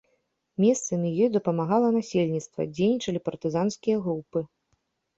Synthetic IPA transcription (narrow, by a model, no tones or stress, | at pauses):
mʲɛst̪sɨmʲijɔjd̪ɐpɐmaɣalˠɐnasʲelʲnʲit̪st̪vɐ̰d͡zʲejnʲit͡ʂɐlʲipɐrt̪ɨzanskʲijɐɣɾupɨ